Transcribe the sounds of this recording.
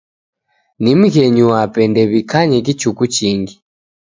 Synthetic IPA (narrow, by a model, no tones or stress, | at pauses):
nim̩ɣɛɲuwapɛndɛβikʰaɲɛk̬it͡ʃukut͡ʃiːŋɡi